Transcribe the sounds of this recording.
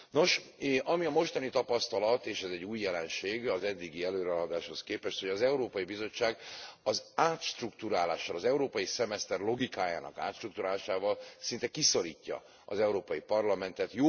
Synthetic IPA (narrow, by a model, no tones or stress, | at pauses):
no̞ʃʔɒmiɒmo̞ʃt̪ɒnit̪ɒpɒst̪ɒlɒt̪eːʃɛzɛɟːuːjːɛlɛnʃeːɡɒzɛd̪ːiɡiɛløːɾɛɒd̪aːʃho̞skeːpɛʃt̪ho̞ɟɒzɛuɾoːpɒjibizo̞t͡ʃːaːɡɒzaːt̪ʃt̪rukt̪uɾaːlaːʃːɒlɒzɛuɾoːpɒjisɛmɛst̪ɛrlo̞ɡikaːja̰ːnɒ̰ka̰ːt̪ʃt̪rukt̪uɾaːlaːʃaːvɒlsint̪ɛkiso̞ɾiːcːɒ̰ | ɒ̰zɛuɾoːpɒjipɒrlɒmɛnt̪ɛt̪joː